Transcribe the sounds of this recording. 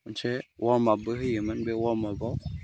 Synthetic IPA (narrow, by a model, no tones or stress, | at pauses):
n̩t͡ʃɛwɔmabəhəjəmənbewɔmabɔk